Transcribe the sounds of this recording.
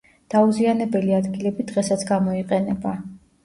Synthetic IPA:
d̪̥auzianɛbɛliad̪ɡilɛbid̪ʁɛsat̪sʰɡamɔiqʼɛnɛba

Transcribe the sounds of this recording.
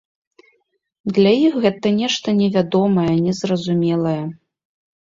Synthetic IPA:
d̪lʲajixɣɛt̪ɐnʲɛʂt̪ɐnʲɛvʲad̪ɔmɐjɐnʲɛzrɐzumʲɛlˠɐjɛ

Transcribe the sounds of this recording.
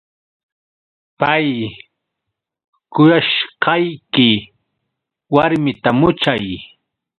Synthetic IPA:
paj | kʊjaʃqɑjkɪ | waɾmɪt̪amʊt͡ʃaj

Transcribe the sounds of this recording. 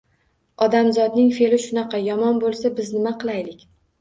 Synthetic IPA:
ɒd̪amzɒd̪nɪŋfe̞lɪʃʊnɑqʰɑjɒmɒnbolˠsabɪznɪmaqʰɨlˠajlɪkʲ

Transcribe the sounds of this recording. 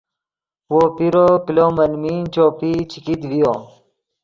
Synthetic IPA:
wopiɾokiloːmɐlmint͡ɕoːpit͡ɕʰikid̪wijo

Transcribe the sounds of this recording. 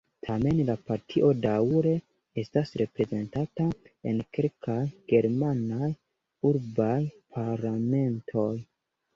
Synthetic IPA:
tʰame̞nlapaɾtʰiʔo̞dauɾe̞ | e̞stasɾe̞pɾe̞ze̞ntata | enke̞lkʰajɡ̥e̞ɾmanaj | uɾbajpʰaɾlame̞ntʰo̞j

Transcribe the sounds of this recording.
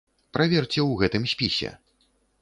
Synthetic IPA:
pɾavʲɛrt͡sʲɛwɣɛt̪ɨmsʲpʲisʲɛ̰

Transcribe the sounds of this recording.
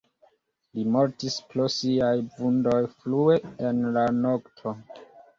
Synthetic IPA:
limo̞ɾtispɾosiajvundo̞jflue̞enlano̞ktʰo̞

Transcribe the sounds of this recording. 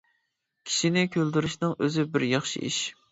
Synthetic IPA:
kʲʰi̥ʃinɪkʲʰøld̪yɾɪʃnɨŋʔøzɪbɪɾjɑχʃḭḭʃ

